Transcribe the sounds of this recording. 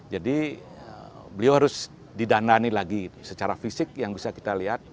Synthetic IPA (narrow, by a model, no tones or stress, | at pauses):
d͡ʒadi | ə | bəliawhaɾʊs | didananilaɡisət͡ʃaɾafisɪk̚jaŋbisaki̥t̪aliɦat̪̚